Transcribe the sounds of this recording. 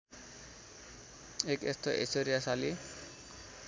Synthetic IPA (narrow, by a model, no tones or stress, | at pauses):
ekḛst̪ʰoʔḛsoɾijasali